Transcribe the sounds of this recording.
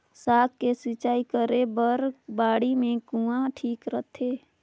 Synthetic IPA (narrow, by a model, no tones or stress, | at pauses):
saːkkesɪt͡ʃaːikəɾebəɾbaːɽimẽkũːãʈʰiːkɾət̪ʰeː